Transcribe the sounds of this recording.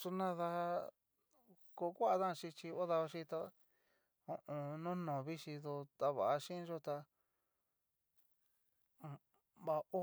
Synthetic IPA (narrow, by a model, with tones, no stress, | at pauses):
su˧nã˧ða˧ | ko˧kʷa˦a˧ðã˦˧ʃi˧t͡ʃi˧o˦ða˧o˧ʃĩ˧t̪a˧ | õ˨ʔõ˧nũ˦nõ˨βi˦ʃi˧ðo˧t̪a˧βa˨a˧ʃĩ˦˧˦ʒo˧t̪a˧˨ | βa˧o˦